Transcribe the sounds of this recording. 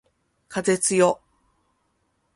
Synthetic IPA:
kʰaze̞t͡sɨjo

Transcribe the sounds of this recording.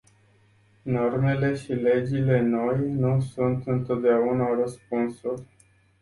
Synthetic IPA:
no̞rme̞le̞ʃile̞d͡ʒile̞no̞jnusunt̪ɨnt̪o̞t̪̚d̪eaunarəspunsulʲ

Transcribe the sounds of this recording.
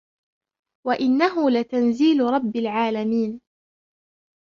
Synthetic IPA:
waʔɪnːaɦʊlɪt̪anziːlɾˤɑbːɪlʕaːlamiːn

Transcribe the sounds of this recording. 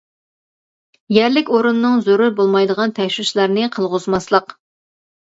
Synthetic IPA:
jæɾlɪkʲoɾunːɨŋzoɾuɾbolˠmɑjd̪əʁɑnt̪ʰɛʃwuʃlˠɑɾnɨqʰəlˠʁʊzmɑslˠəq

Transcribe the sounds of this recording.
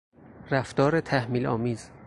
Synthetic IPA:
ɾæft̪ɒːɾet̪ʰæhmiːlɒːmiːz̥

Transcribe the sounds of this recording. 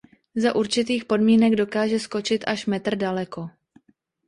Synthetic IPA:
zaʔuɾt͡ʃɪt̪iːxpo̞dmiːnɛɡdo̞kaːʒɛsko̞t͡ʃɪt̪ʔaʃmɛt̪r̩dalɛko

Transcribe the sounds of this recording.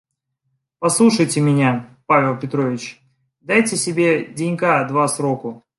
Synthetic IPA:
pɐslˠuʂəjtʲɪmʲɪnʲapavʲɪlˠpʲɪt̪ɾo̞vʲɪt͡ɕ | d̪ajtʲɪsʲɪbʲe̞dʲɪnʲkad̪vasɾokʊ

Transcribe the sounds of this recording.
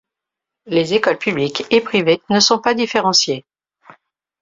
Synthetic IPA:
lezekɔlpyblikepχivenəsɔ̃pad̪ifeʁɑ̃sje

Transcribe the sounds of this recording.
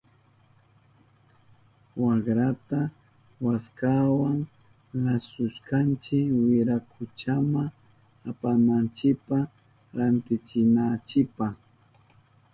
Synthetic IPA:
wakɾat̪a | waskawaŋ | lasʊʃkant͡ʃɪkwɪɾakʰʊt͡ʃama | apanant͡ʃɪkpa | ɾant̪ɪt͡ʃɪnat͡ʃɪpaχ

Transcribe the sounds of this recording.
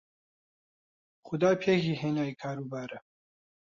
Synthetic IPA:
xʊd̪ɑːpʰeːkiːɦeːnaːjikʰaːɾuːbaːɾɛ

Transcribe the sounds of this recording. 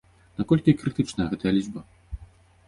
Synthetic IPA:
nakɔlʲkʲikɾɨt̪ɨt͡ʂnɐjɐɣɛt̪ɐjɐlʲid͡zbɐ

